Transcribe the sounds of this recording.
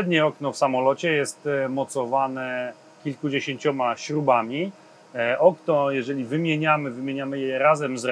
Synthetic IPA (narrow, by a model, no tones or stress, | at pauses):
ɛd̪ɲɛɔknɔfsamɔlɔt͡ɕɛjɛst̪mɔt̪sɔvanɛ | kʲilkud͡ʑeɕẽɲt͡ɕɔmaɕɾubamʲi | ʔɔknɔjɛʐɛlʲivɘmʲjeɲamɘvɘmʲjeɲamɘjɛɾazɛmzɾ